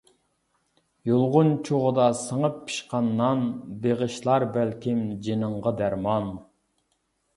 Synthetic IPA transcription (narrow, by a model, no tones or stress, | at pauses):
jolˠʁʊnt͡ʃʰoʁəd̪ɑsəŋəpʰːɨ̥ʃqɑnːɑnbeʁəʃlˠɑɾbælkʲimd͡ʒinəɴʁəd̪æɾmɑn